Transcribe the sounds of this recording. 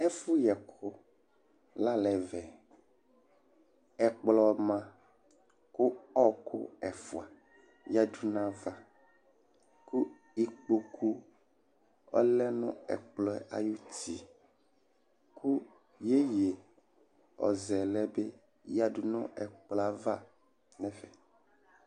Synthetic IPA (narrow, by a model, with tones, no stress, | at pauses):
ɛ˦fu˦jɛ˨kʰo˦ | la˦lɛ˨vɛ˨ | ɛ˨k͡plɔ˨mã˦ | ko˦ɔ˦kʰʊ̰˦ɛ˨fu˨a˨ | ja˦du˦nã˦va˦ | ku˦ | i˨k͡po˦kʰu˦ | ɔ̰˦lɛ˦nʊ̰̃˦ɛ̰˨k͡plɔ˨˦ɛ˨a̰˨ju˦t̪i˨ | ku˦ | je˦je˨ | ɔ̰˨zɛ˨lɛ˦be˦ | ja˦du˦nʊ̰̃˦ɛ˨k͡pla˦va˦ | nɛ̃˦vɛ˨